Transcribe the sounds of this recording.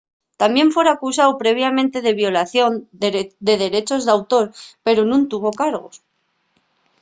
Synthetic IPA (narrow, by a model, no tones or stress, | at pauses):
t̪ambje̞ɱfwe̞ɾakus̬awpɾe̞β̞jamẽnt̪e̞ð̞e̞βjo̞laθjo̞nd̪eðe̞ɾe̞t͡ʃo̞zðawt̪o̞ɾpe̞ɾonũnt̪uβ̞o̞kaɾɣo̞̰s